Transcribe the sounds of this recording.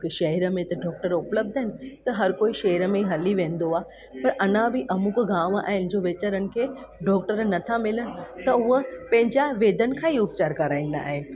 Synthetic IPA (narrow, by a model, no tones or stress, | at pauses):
keʃɐɦiɾə̆mẽt̪ɐɖɔːk̚ʈəɾʊpləb̚d̪ʱəɦɪnɪ̆t̪ɐɦɐɾkoːiʃɐɦiɾə̆mẽɦɐliʋẽːn̆d̪oaː | pɐɾʔɐnãbɪʔɐmʊkɡãːʋa̰ːɦɪnɪ̆d͡ʑoːʋeːt͡ɕəɾənɪ̆kʰeː | ɖɔːk̚ʈəɾnɐt̪ʰamɪləɽ̃ɪ̆t̪ɐʊɦəpɐ̃ɦɪ̃ɲd͡ʑaʋeːd̪ənɪ̆kʰãːiʊp̚t͡ɕaːɾkɐɾaːĩn̆d̪a̰ːɦɪnɪ̆